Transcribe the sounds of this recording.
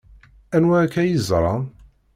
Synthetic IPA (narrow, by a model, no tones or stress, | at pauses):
ænwækːæjizˤɾˤɑn